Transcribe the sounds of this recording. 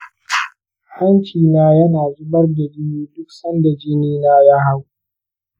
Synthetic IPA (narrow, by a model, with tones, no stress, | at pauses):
ha˦nt͡ʃiː˨naː˦jɐ˦naː˨zʊ˦bɐ˦rda˨bɪ˦juː˦dʊ˦k̚sɐ˦nda˨d͡ʒɪ˦niː˦naː˦ja˦ɦa˦w